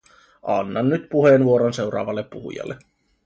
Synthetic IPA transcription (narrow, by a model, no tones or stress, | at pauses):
ʔɑnːɑnːyt̪puhenʋuo̞ɾonse̞wɾɑ̰ːʋɑlːepːuɦṵjɑ̰lːʔe